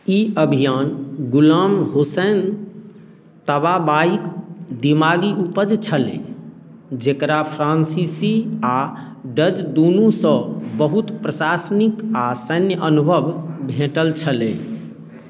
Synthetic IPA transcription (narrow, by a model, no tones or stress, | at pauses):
iəbʱijanɡulamɦosen | t̪əbabaikd̪imaɡiupəd͡ʒt͡ʃʰəlḛ̃ | d͡ʒekɾapʰɾansisia | ɖəd͡ʒd̪onusə̃bəɦut̪pɾəsasnikasənjəʔənubʱəbbʱẽʈəlt͡ʃʰəlḛ̃